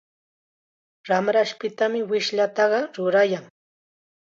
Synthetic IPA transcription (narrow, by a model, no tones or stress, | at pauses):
ɾamɾaʃpɪt̪amɪwɪʃʎat̪ɑɢɑɾʊɾajaŋ